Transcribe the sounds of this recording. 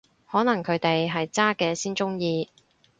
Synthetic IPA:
hɔː˨˥nɐ˨˩ŋkʰɵ˨˧ɥt̪e˨jɦɐ˨jt͡saː˥kɛː˧siː˥nt͡sʊ˥ŋjiː˧

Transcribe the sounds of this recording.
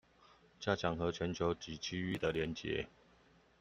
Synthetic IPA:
t͡ɕja˥˩t͡ɕʰjɑ˨˩˦ŋxɤ˨˦t͡ɕʰɥɛ˧˦nt͡ɕʰjo˧˦ʊt͡ɕi˨˥t͡ɕʰi˦y˥˨d̪ə˨ljɛ˧˥nt͡ɕjɛ̰˨˧˦

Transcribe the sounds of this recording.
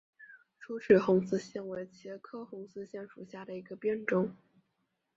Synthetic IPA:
ʈ͡ʂʰu˥ʈ͡ʂʰy˨˩xʊ˧˥ŋsɹ̩˥ɕjɛ˥˩nwe˧˥ɪt͡ɕʰjɛ˧˥kʰɤ˥xʊ˧˥ŋsɹ̩˥ɕjɛ˥˧nʂu˨˩ɕja˥˩d̪ə˩i˧˥ɡə˧pjɛ˥˧nʈ͡ʂʊ˥ŋ

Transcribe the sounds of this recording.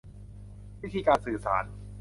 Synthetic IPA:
wi˦˥t̪ʰiː˧kaː˧nsɯː˨˩saː˩˦n

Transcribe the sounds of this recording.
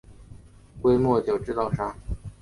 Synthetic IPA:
kwe˥ɪmwɔ˥˩t͡ɕjo˨˩ʊʈ͡ʂɻ̩˥t̪ɑ˥˧ʊʂa˥

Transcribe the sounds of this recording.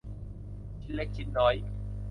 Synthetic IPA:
kʰi˦˥t̪̚le˦˥k̚t͡ɕʰi˦˥t̪̚nɔː˧˥j

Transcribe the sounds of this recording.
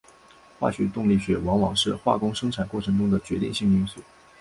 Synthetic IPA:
xwa̰˥˩ɕɥɛ˧˥t̪ʊ˥˧ŋli˥˩ɕɥɛ˧˥wɑ˧˥ŋwɑ˨˩ŋʂɻ̩˥˧xwa̰˥˩kʊ˥ŋʂɤ˥ŋʈ͡ʂʰa˨˩nkwʈ͡ʂʰɤ˧˥ŋʈ͡ʂʊ˥ŋd̪ə˨t͡ɕɥɛ˧˥t̪ḭ˥˧ŋɕi˥˧ŋy˥˩nsu˥˩˦

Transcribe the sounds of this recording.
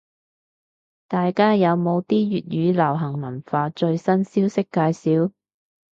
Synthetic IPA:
t̪aː˨jkaː˥jɐ˨˧wmo˨˧wt̪iː˥ɥyː˨t̚jyː˨˧lɐ˨˩wɦɐ˨˩ŋmɐ˨˩nfaː˧t͡ʃɵ˧ɥsɐ˥nsiː˥wsɪ˥kːaː˧jsiː˨˥w

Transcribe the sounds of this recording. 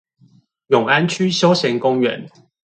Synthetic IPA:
jʊ˨˩ŋa˦nt͡ɕʰy˦˥ɕjo˥ʊɕjɛ˨˦nkʊ˦ŋɥɛ˨˦n

